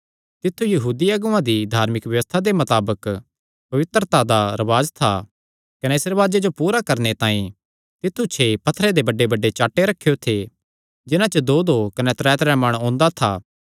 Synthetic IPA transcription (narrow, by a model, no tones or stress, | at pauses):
t̪ɪt̪ʰːujɐɦuːd̪iɐɡuãd̪id̪ʱaːɾmɪkʋjɐʋəst̪ʰad̪emɐt̪aːbək | pɐʋɪt̪ɾət̪ad̪aɾɐʋaːd͡ʒt̪ʰa̰ | kɐnɛɪsɾɐʋaːd͡ʒed͡ʒopuːɾakɐɾnet̪ãːĩ | t̪ɪt̪ʰːut͡ʃʰepɐt̪ʰːɾed̪ebɐɖːebɐɖːet͡ʃaːʈːeɾɐkʰːijot̪ʰe | d͡ʒɪnãt͡ʃəd̪od̪okɐnɛt̪ɾɛːt̪ɾɛmɐɽ̃õːnd̪at̪ʰa̰ː